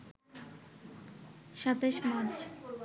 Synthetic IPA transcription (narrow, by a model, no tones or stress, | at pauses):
ʃat̪eʃmad̪ɾ